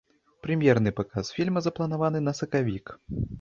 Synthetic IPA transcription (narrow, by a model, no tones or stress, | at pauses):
pɾɨmʲjɛɾnɨpakasfʲilʲmɐzɐplˠɐnavan̪ɨnɐsɐkavʲik